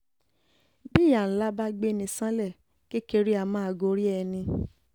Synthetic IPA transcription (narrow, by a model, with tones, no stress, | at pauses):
bi˦˨ja˨n̩˦la˦ba˦ɡ͡be˦˨nĩ˧sã˦lɛ˦˨ | ke˦ke˧ɾi˦a˧˨mãː˦a˧˨ɡo˧˦ɾi˦ɛ˧nĩ˧